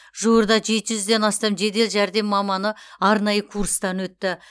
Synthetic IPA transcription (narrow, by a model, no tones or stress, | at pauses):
ʒuwəɾd̪ɑʒe̞t̪ɪʒʏzd̪e̞nɑst̪ɑmʒe̞d̪e̞lʒæɾd̪e̞mːɑmɑnəɑɾnɑjəkʰuɾst̪ɑnwɵt̪ːɪ